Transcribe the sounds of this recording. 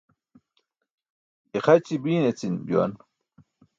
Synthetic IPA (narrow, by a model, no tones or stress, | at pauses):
ixɐt͡ɕibiːnet͡sinbjo̰n